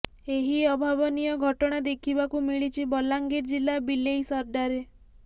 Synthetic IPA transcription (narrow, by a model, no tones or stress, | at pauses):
eɦiɔbʱabɔnijɔɡʱɔʈɔɽ̃ad̪ekʰibakumiɭit͡ʃʰibɔlaŋɡeɾd͡ʒilabilejsɔɾɖaɾe